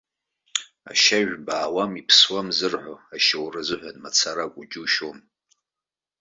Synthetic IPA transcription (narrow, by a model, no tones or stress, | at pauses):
a̰ʃaʒᶣbaːwamipʰswamzɨrħʷoaʃawrɨzɨħʷᶣanmat͡sʰaɾakʷʼʊd͡ʒuʃom